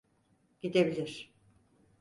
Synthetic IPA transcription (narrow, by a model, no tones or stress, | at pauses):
ɟ̥id̪ebilʲiɾ̥